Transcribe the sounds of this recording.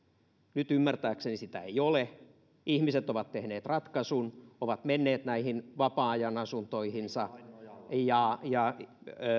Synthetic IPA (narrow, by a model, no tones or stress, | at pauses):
nyt̪ymːært̪æːksenisit̪æeijole | ʔihmiset̪oʋɑt̪tehneːt̪rɑt̪kɑsunoʋɑt̪menːeːt̪næihinʋɑpɑːjɑnɑsunt̪oihinsɑ | jɑjɑ